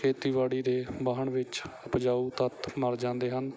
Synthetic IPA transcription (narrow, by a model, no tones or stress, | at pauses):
kʰeːt̪iːʋaːɽiːd̪eːbaːɦəɳʋɪt͡ʃəpd͡ʒaːuːt̪ət̪məɾd͡ʒãːnd̪eːɦən